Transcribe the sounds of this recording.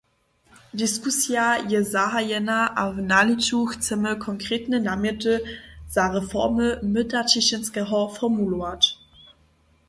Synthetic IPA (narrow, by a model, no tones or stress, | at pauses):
diskusjajɛzaɦajɛnaʔavnalit͡suxt͡sɛməkʰɔŋkʁ̥eːtnənamɪtəz̥aʁɛfɔ̰ʁməmɪtatɪɕənskɛɦɔfɔmuluat